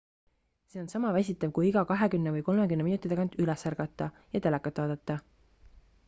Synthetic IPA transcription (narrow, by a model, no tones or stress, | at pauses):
se̞ːo̞nsɑmɑvæs̬ʲit̪ːˑɑvkujiɡɑkɑɦe̞kymnevɤjko̞lmekymnminut̪ːˑit̪eɑɡɑnt̪ylɛsærɡ̥ɑt̪ːˑɑ | jɑt̪e̞lɛkːˑɑt̪ːˑvɑːd̪et̪ːˑɑ